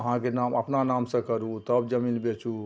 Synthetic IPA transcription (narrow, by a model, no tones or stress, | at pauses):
əɦãkenaməpnanamsə̃kəɾut̪əbd͡ʒəminbet͡ʃʰu